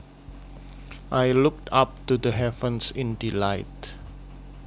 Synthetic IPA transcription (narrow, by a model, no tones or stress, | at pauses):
ʔajluk̚tap̚tudəɦɛvə̃nsɪ̃ndilaɪt̚